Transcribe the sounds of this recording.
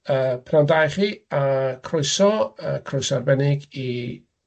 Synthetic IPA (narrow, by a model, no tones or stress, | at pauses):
əːpʰnawndajχiakʰrojsɔəkʰrojsɔarbɛnɪɡi